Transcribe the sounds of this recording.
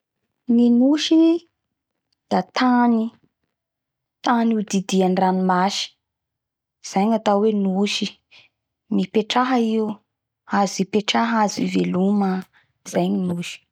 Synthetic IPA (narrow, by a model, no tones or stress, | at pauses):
ŋinuʃi | d̪̥at̪ani | t̪anud̪id̪ianranimaʃi̥ | z̥ajɲat̪awenuʃi | mipeʈ͡ʂaɦəiu | azipeʈ͡ʂaɦazivelumə | iz̥ajɲinuʃi̥